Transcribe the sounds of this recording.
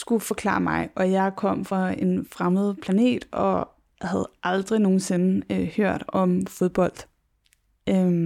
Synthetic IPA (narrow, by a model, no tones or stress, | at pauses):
sɡ̥ufɒ̽kʰlɑ̰̈ːmɑ̈ɪʔɒ̽jɑ̈ɪkʰɒ̽m̰fʁɑ̈e̝nfʁaməð̞̩ˠpʰlæne̝̰ːd̥ɒ̽ | hæð̞̩ˠʔɑ̈ld̥ʁino̝ːn̩se̝nəhøɐ̰d̥ɒ̽mfo̝ð̞ˠb̥ɒ̽l̰d̥ | ø